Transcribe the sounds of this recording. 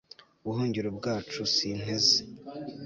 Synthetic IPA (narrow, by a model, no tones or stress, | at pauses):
uβuɦuːɲɟiɾubɡaːt͡ʃusin̥e̞ze̥